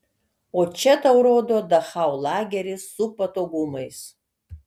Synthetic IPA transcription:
oːt͡ʃʲɛtɐwɾoːdodɐχaːwlˠaːɡʲɛɾʲɪsupɐtoːɡumɐjs

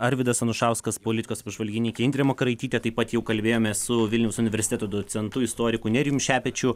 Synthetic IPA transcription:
ɐɾʲʋʲɪd̪ɐsɐnʊʃɑˑʊskɐspoːlʲɪt̪ʲɪkoːsɐpʒʋɐlʲɡʲɪnʲɪɪkʲɪɪnʲd̪ʲɾʲeɛmokɐɾɐɪt̪ʲiːt̪ʲɛt̪ɐɪpːɐt̪jɛʊkɐlʲbʲeːjoːmʲɛssʊʋʲɪlʲnʲɛʊsʊnʲɪʋʲɛɾʲsʲɪt̪ʲɛt̪oːd̪ot͡s̪ʲɛnt̪ʊɪst̪oːɾʲɪkʊnʲɛɪɾʲjumʃʲæːpʲɛt͡ʃʲʊ

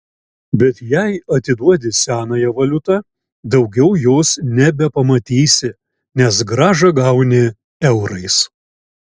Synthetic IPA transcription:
bʲɛt̪jɛɪɐt̪ʲɪd̪uɔd̪ʲɪsʲæːnɑːjɛʋɐlʲʊt̪ɑ | d̪ɐʊɡʲɛʊjoːsnʲɛbʲɛpɐmɐt̪ʲiːsʲɪ | nʲɛsɡɾɑːʒɐɡɐʊnʲɪ | ɛʊɾɐɪs

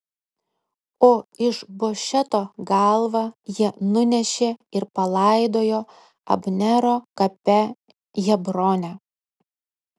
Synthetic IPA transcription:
oːɪʃboːʃʲɛt̪oːɡɐlˠʋɑjiɛnʊnʲɛʃʲeːɪɾpɐlˠɑɪd̪oːjoː | ɐ̰bʲnʲɛɾoːkɐpʲɛ | jɛbɾoːnʲɛ

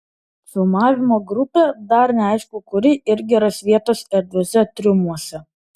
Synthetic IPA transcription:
sʊmɑːʋʲɪmoːɡɾʊpʲed̪ɐɾnʲɛɐɪʃkʊkʊɾʲɪʔɪɾʲɡʲɪɾɐsʋʲiɛt̪oːsɛɾʲd̪ʲʋʲɛsʲɛt̪ʲɾʲɪmuɔsʲɛ

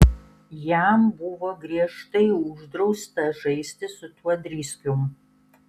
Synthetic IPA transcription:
jæmbʊʋoːɡɾʲiɛʃt̪ɐɪʊʒd̪ɾɐʊst̪ɐʒɐɪsʲt̪ʲɪsʊt̪uɔd̪ʲɾʲiːsʲkʲʊm

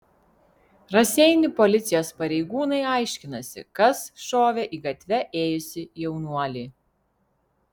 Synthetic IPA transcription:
ɾɐsʲɛɪnʲʊpɔlʲɪt̪sʲɪjoːspɐɾʲɛɪɡuːnɐɪɑˑɪʃʲkʲɪnɐsʲɪ̰kɐsʃoːʋʲɛʔiːɡɐt̪ʲʋʲɛʔeːjʊsʲɪjɛʊnuɔlʲiː

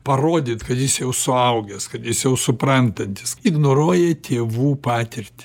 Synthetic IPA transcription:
pɐroːd̪ʲɪːt̪kɐt̪jɪsjɛʊsʊɐʊɡʲɛskɐt̪jɪsjɛʊsʊprɐnt̪ɐnʲt̪ʲɪ̥sɪɡnoːɾoːjɛt̪ʲʰeːʋuːpɑːt̪ʲɪɾʲt̪ʲɪ̥

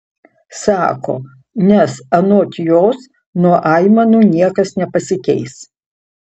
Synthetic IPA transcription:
sɑːko̰ː | nʲɛsɐnoːt̪ʲjoːs | nuɔʔɑɪmɐnuːnʲiɛkɐsnʲɛpɐsʲɪkʲɛɪs

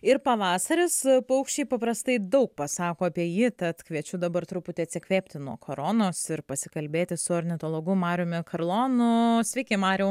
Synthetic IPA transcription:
ɪɾpɐʋɑːsɐɾʲɪspɐʊkʃʲt͡ʃʲɛɪpɐpɾɐst̪ɐɪd̪ɐʊk̚pɐsɑːkoːɐpʲiɛjiːt̪ɐt̪kʋʲiɛt͡ʃʲʊd̪ɐbɐɾrt̪ɾʊpʊt̪ʲɪɐt̪sʲɪkʋʲeːpʲt̪ʲɪnuɔkʰoːɾoːnoːsɪɾpɐsʲɪ̥kɐlʲbʲeːt̪ʲɪsʊɐɾʲnʲɪt̪oːlˠoːɡʊmɑːɾʲʊmʲɪkɐɾlˠoːnʊsʲʋʲɛɪkʲeɪmɑːɾʲɛʊ

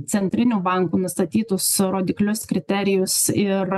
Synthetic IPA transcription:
t̪sʲɛnʲt̪ʲɾʲɪnʲuːbɐŋkuːnʊst̪ɐt̪ʲiːt̪ʊsɾoːd̪ʲɪklʲʊskɾʲɪt̪ʲɛɾʲɪjʊsɪɾ

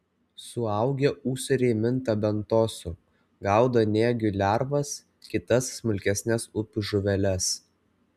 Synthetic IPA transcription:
sʊɐˑʊɡʲɛuːsʲʊɾʲeːmʲɪnˑt̪ɐbʲɛnt̪oːsʊ | ɡɑˑʊd̪ɐnʲeːɡʲʊlʲæɾʋɐs | kʲɪt̪ɐsːmʊlʲkʲɛsʲnʲɛsʊpʲʊʒʊʋʲɛlʲɛs

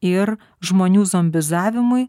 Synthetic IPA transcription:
ɪɾ | ʒmoːnʲuːzomʲbʲɪzɑːʋʲɪmʊɪ

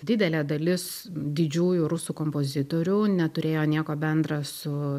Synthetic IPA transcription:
d̪ʲɪd̪ʲɛlʲeːd̪ɐlʲɪs | d̪ʲɪd͡ʒʲuːjʊɾʊsuːkoːmpoːzʲɪt̪oːɾʲuːnʲɛt̪ʊɾʲeːjoːnʲiɛkoːbʲɛnd̪rɑsʊ

